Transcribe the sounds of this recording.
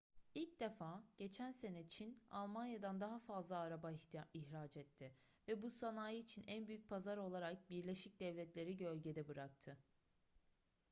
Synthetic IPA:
ilʲc̚d̪efaːɟ̥e̞t͡ʃʰænse̞nɛt͡ʃʰina̰lˠmanjad̪and̪aɦafazlˠaːɾabaiçɾaːt͡ʃɛt̪ʰːɪ | vɛbusanaːjɯːt͡ʃʰinʔænbyjyc̚pʰazaɾo̞lˠaɾak̚biɾlʲe̞ʃic̚d̪ɛvlʲɛt̪lʲe̞ɾiɟølʲɟe̞d̪ɛbɯɾak̚t̪ʰɯ

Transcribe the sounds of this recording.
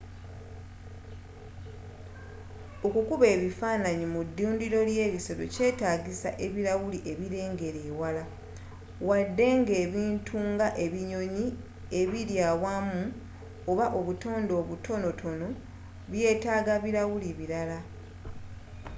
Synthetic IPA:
o̞kukuβe̞ːβifaːnaɲimudːuːndiɾo̞lje̞ːβiso̞ɾo̞̰ce̞ːtaːɡisa̰ʔe̞βiɾawuliʔe̞βiɾe̞ːŋɡe̞ɾe̞ːwala | wadːe̞ŋɡe̞ːβiːntʰuŋɡaʔe̞βiɲo̞ɲi | e̞βiɾjaːwamu | oβaʔo̞βuto̞ːndo̞ːβutʰo̞no̞tʰo̞no̞ | βje̞ːtaːɡaβiɾawuliβiɾala

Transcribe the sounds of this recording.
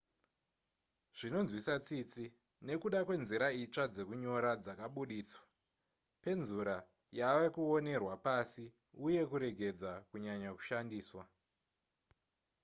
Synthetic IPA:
ʐ̥ino̞nzwisat͡sit͡si | ne̞kuɗakwe̞nziɾait͡ʂad͡ze̞kuɲo̞ɾad͡zakaɓuɗiːswḁ | pe̞nzuɾa | jaʋekuo̞ne̞rwapasi | uje̞kuɾe̞ɡʱe̞d͡zakuɲaɲaku̥ʃandiːswa

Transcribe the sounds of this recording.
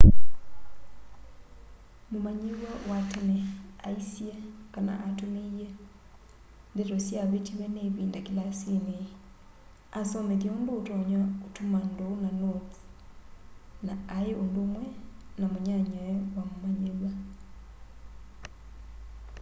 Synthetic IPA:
momaɲeɣwawatemɛaisiɛkana̰ʔatomeiɛ | ndeɾɔsjaβetiβɛneβiːndakelasine | asɔmeðjaondoːtɔɲaotomandonanoti̥ | naːeondoːmwɛnamoɲaɲaɛwamomaɲewa

